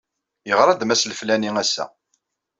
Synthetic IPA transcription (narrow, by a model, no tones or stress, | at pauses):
jəʁɾˤɑd̪mæsləflæniŋæsːæ̰